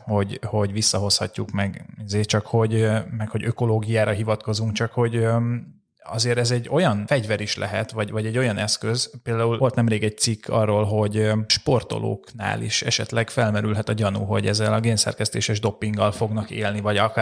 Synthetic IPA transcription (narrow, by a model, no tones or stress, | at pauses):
ho̞ɟho̞ɟʋisːɒɦo̞shɒcːukmɛɡizeːt͡ʃɒkho̞ɟmɛkhoɟø̞ko̞loːɡijaːɾɒɦivɒt̪ko̞zuŋkt͡ʃɒkho̞ɟ | ɒ̰zeːɾɛzɛɟːo̞jɒnfɛɟvɛɾiʃlʔɛ̰ɦɛt̪ʋɒɟvɒɟɛɟːo̞jɒnɛskøzpeːld̪aːulo̞lt̪nɛmreːɡɛɟ̚t̪sikʰːɒ̰rːoːlɦo̞ɟʃpo̞rt̪o̰lʔo̰ːkna̰ːlḭʃɛ̰ʃɛ̰t̪lɛɡfɛlmɛɾylɦɛt̪ɒɟɒnṵɦo̞̰ɟɛzːɛlɒɡeːnsɛ̰rkɛst̪eːʃɛʒd̪o̞pːiŋɡɒlfo̞ɡnɒkḛːlnivɒɟɒk